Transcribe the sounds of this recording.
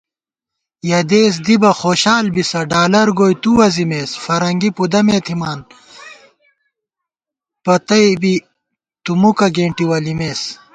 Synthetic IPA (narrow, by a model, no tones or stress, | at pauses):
jɐd̪eːs̬d̪ibɐxoːɕaːlbisɐɖaːlɐɾɡoːjt̪uwɐzimeːsfɐɾɐŋɡipud̪ɐmeːt̪ʰimaːn | pɐt̪ɐjbi | t̪umukɐɡeːɳʈiwɐlimeːs